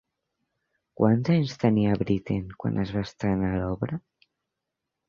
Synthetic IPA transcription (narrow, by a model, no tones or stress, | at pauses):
kwanzanst̪aniaβɾit̪eŋkwa̰nʔazβast̪analɔβɾa